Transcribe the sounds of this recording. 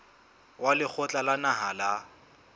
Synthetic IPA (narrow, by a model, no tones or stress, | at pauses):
walɪk͡xʰɔt͡ɬʼalanaɦala